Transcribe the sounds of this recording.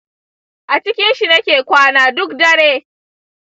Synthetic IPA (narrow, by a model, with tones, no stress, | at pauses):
ʔa˨t͡ʃɪ˦kʲɪ˦nʃi˨nɐ˦kʲeː˨kʷaː˦naː˨dʊ˦kdɐ˦ɽeː˦